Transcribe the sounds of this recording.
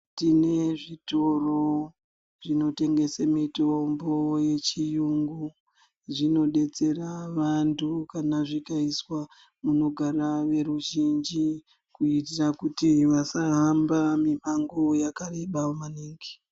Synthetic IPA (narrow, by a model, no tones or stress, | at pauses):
tine̞ʐitoro | ʐino̞te̞ŋɡe̞samitombo̞je̞t͡ʃijuŋɡu | ʐino̞ɗe̞t͡se̞raʋantʰukanaʐikaiswa | muno̞ɡʱaɾaʋe̞ɾuʒind͡ʒi | kuitirakutiʋasaɦambamiɓaŋɡojakareɓamaniːŋɡi